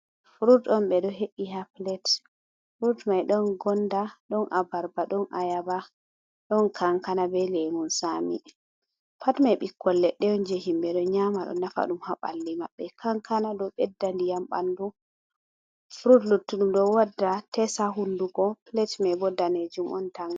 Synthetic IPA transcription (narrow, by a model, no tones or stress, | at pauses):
fɾutɔmɓɛɗɔɦeʔiɦaplɛt | fɾudmajɗɔnɡɔndaɗɔnʔabaɾbaɗɔnʔajaba | ɗɔnkʰaŋkanabɛleŋunsamḭ | pʰatmajɓikʰːɔlːɛɗːɛjɔnd͡ʒeɦimbɛɗɔɲamaɗɔ̰nafa̰ɗumhaɓa̰lːimaɓːɛkʰaŋkʰanadɔɓɛdːandijamɓa̰ndu | fɾudlutːuɗumɗɔwadːatɛsaɦunduɡɔplɛtmabɔdːaned͡ʒumʔɔ̰ntaŋ